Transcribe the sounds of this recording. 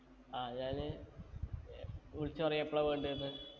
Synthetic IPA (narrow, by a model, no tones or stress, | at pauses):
aːɲaːl | uɭit͡ɕːɨpɐrɐjepːɭɐʋeːɳɖɨnːɨ